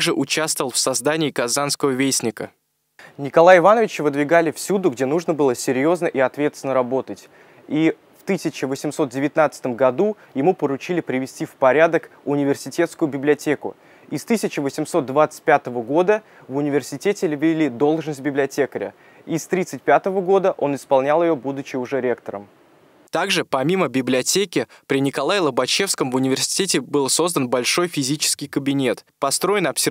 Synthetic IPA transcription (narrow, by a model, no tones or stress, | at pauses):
ʐɨʔʊt͡ɕast̪əvəlˠfsɐzd̪anʲɪiːkɐzanskəvəvʲejsʲnʲɪkə̰ | nʲɪkɐlˠajɪvanəvʲɪt͡ɕvɨd̪vʲɪɡalʲɪfsʲud̪ʊɡdʲe̞nuʐnəbɨlˠəsʲɪɾʲjo̞znəʔiɐt̪vʲe̞t̪st̪ʲnəɾɐbo̞t̪ətʲ | i | ft̪ɨsʲɪt͡ɕɪvəsʲɪmso̞t̪̚dʲɪvʲɪt̪nat̪sə̥t̪əmɡɐd̪u | jɪmupəɾʊt͡ɕilʲɪpɾʲɪvʲɪsʲtʲifpɐɾʲad̪əkʊnʲɪvʲɪrsʲɪtʲe̞t̪skʊjʊbʲɪblʲɪɐtʲe̞kʊ̰ | ist̪ɨsʲɪt͡ɕɪvəsʲɪmso̞t̪̚d̪vat̪sɨ̥t̚ʲpʲat̪əvəɡo̞d̪ə | vʊnʲɪvʲɪrsʲɪtʲetʲɪlʲɪvʲɪlʲid̪o̞lˠʐnəsʲt̚ʲbʲɪblʲɪɐtʲekəɾʲɪ̰ | ist̪ɾʲit̪sɨtʲpʲat̪əvəɡo̞d̪əʔo̞nɪspɐlˠnʲalˠjɪjobud̪ʊt͡ɕɪʊʐɛɾʲe̞kt̪əɾə̰m | t̪aɡʐɨpɐmʲiməbʲɪblʲɪɐtʲekʲɪpɾʲɪnʲɪkɐlˠajlˠəbɐt͡ɕe̞fskəmvʊnʲɪvʲɪrsʲɪ̥tʲetʲɪbɨlˠso̞zd̪ənbɐlʲʂo̞jfʲɪzʲit͡ɕɪ̥skʲɪjkəbʲɪnʲe̞t̪ | pɐst̪ɾo̞jɪnɐpsʲɪ